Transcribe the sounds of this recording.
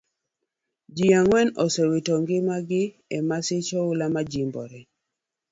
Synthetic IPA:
d͡ʒiaŋwɛnɔsɛwitɔŋɡɪmaɡɪ | ɛmasɪt͡ʃɔʊlamad͡ʒimbɔ̰ɾɛ

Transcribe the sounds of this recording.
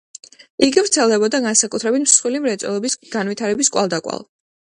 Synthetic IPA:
iɡivɾt̪sʰɛlˠd̪ɛbɔd̪aɡansakʼut̪ʰɾɛbit̪ʰmsχwilimɾɛt̪sʼɛ̰lˠɔbisɡ̥anwit̪ʰaɾɛbiskʼwa̰lˠd̪akʼwa̰lˠ

